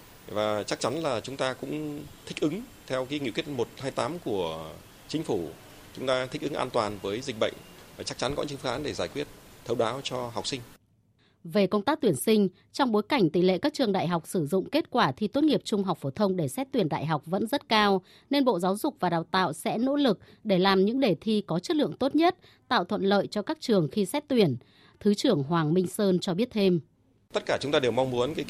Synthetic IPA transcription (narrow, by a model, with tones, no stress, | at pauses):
vaː˨˩t͡ɕa˦˥k̚t͡ɕa˨˦nlaː˨˩t͡ɕʊ˨˦ŋ͡mt̪aː˧kʊ̰˧˥ŋ͡mt̪ʰï˦˥k̟̚ʔɨ˨˦ŋ | t̪ʰɛ˧wki˨˦ŋḭ˧˨ki˦˥t̚mo˨˩t̚haː˧jt̪aː˨˦mku˧˩ə | t͡ɕï˨˦ŋ̟fu˧˩ | t͡ɕʊ˨˦ŋ͡mt̪aː˧t̪ʰï̟˦˥ʔɨ˨˦ŋʔa̰ː˧nt̪waː˨˩nvəː˨˦jzï˨˩k̟̚ɓə̰˧˨ŋ̟vaː˨˩t͡ɕa˦˥k̚t͡ɕa˨˦nkɔ˨˦ɲ̰ɨ̰˧˥˦ŋfa˧ŋʔaː˨˦nɗe˧˩zaː˧˩jkwi˦˥ət̚t̪ʰə˧wɓaː˨˦wt͡ɕɔ˧ɦwk͡p̚sï˧ŋ̟ | ve˨˩kə˧wŋ͡mt̪aː˦˥k̚t̪wi˧˩ənsï˧ŋ̟ | t͡ɕɔ˧wŋ͡mɓo˨˦jka˧˩jŋ̟t̪i˧˨˩lḛ˧˨kaː˦˥k̚t͡ɕɨ˨˩əŋɗa̰ː˧˨jɦa˨˩wk͡p̚sɨ˧˩zʊ̰˧˨ŋ͡mke˦˥t̚kwaː˧˩t̪ʰi˧t̪u˦˥t̚ŋi˨˩əp̚t͡ɕʊ˧ŋ͡mɦa˨˩wk͡p̚fo˧˩t̪ʰə˧wŋ͡mɗe˧˩sɛ˦˥t̚t̪wi˧˩ənɗa̰ː˧˨jɦa˨˩wk͡p̚və̰˧˥nzə˦˥t̚kaː˧w | ne˧nɓo̰˧˨zaː˨˦wzʊ˨˩k͡p̚vaː˨˩ɗaː˨˩wt̪a̰ː˧˨wsɛ̰˧˥no̰˧˥lɨ˨˩k̚ | ɗe˧˩laː˨˩mɲɨ̰˧˥ŋɗe˨˩t̪ʰi˧kɔ˨˦t͡ɕə˦˥t̚lɨ̰˧˨əŋt̪o˦˥t̚ɲə˦˥t̚ | t̪a̰ː˧˨wt̪ʰwə̰˧˨nlə̰ː˧˨jt͡ɕɔ˧kaː˦˥k̚t͡ɕɨ˨˩əŋxi˧sɛ˦˥t̚t̪wi˧˩ən | t̪ʰɨ˨˦t͡ɕɨ˧˩əŋɦwaː˨˩ŋmï˧ŋ̟səː˧nt͡ɕɔ˧ɓi˦˥ət̚t̪ʰe˧m | t̪ə˦˥t̚kaː˧˩t͡ɕʊ˨˦ŋ͡mt̪aː˧ɗe˨˩wma˧ŋ͡mmu˨˦ənka˨˦